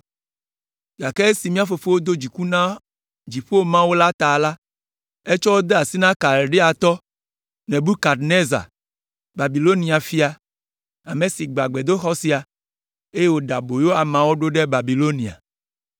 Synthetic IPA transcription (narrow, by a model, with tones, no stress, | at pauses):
ɡa˨kɛ˦si˨mĩ˦a˦fo˨fe˦wo˦d̪o˦d͡ʑi˨ku˦nã˦ | d͡ʑi˨ɸo˦o˦mã˦wo˦la˦t̪a˨la˦ | e˦t͡ʃɔ˦wo˦d̪e˦a˨si˦nã˦ka˨ɾɖe˦a˨t̪ɔ˦ | nɛ̃˨bu˦ka˨ɾne˦za̰˨ | ba˨bi˨lo˦nĩ˨a˨fi˦a˨ | a˨mẽ˨si˨ɡ͡ba˨ɡ͡be˨d̪o˦xɔ˦si˦a˨ | e˦je˦wo˦ɖa˨bo˨jo˦a˨mã˨wo˦ɖo˦ɖe˦ba˨bi˨lo˦nĩ˨a̰˨